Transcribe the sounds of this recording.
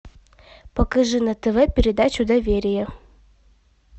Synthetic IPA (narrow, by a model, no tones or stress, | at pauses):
pɐkɐʐɨnət̪əvɛpʲɪɾʲɪd̪at͡ɕʊd̪ɐvʲeɾʲɪjə